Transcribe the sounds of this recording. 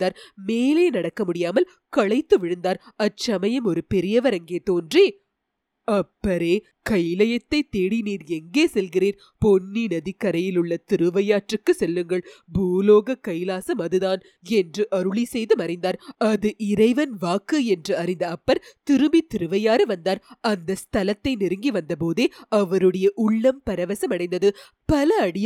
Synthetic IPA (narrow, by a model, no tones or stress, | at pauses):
nd̪aːɾmeːleːnɐɽɐkːɐmʊɽɪjaːmɐl | kɐɭɐɪt̪ːɯʋɪɻɯnd̪aːɾɐt͡ʃːɐmɐjɐmɔɾɯpɛɾɪjɐʋɐɾɐŋɡeːt̪oːndreː | ɐpːɐɾeː | kɐjlɐjɐt̪ːɐɪt̪ːeːɽiniːɾɛŋɡeːsɛlɣɪriːɾ | pɔnːinɐðikːɐɾɐjɪlɯɭːɐt̪ɪɾɯʋɐjaːʈrɯkːɯsɛlːɯŋɡɐɭbuːloːɣɐkːɐjlaːsɐmɐðɯðaːn | ɛndrɯʔɐɾɯɭisɛjðɯmɐɾɪnd̪aːɾɐðɯʔɪɾɐɪʋɐnʋaːkːɯɛndrɯɐɾɪnd̪ɐːpːɐɾt̪ɪɾɯmit̪ɪɾɯʋɐjaːɾɯʋɐnd̪aːɾɐnd̪ɐst̪ʰɐlɐt̪ːɐɪnɪɾɯŋɡiʋɐnd̪ɐpoːðeːɐʋɐɾɯɽɐjɐʔʊɭːɐmpɐɾɐʋɐsɐmɐɽɐɪnd̪ɐðɯ | pɐlɐːɽɪj